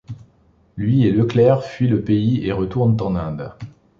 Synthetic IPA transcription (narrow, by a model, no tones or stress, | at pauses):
lɥieləklɛʁfɥiləpeieʁət̪uʁnt̪ɑ̃nɛ̃d̪